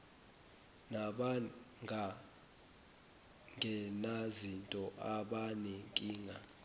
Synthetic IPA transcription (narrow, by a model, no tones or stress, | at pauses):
naɓa | ŋʱa | ŋʱɛnazintʼɔʔaɓanɛŋkʼiːŋɡʱa